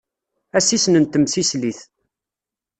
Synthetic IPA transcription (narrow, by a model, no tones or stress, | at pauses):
æsisnənt̪ːəmsisliθ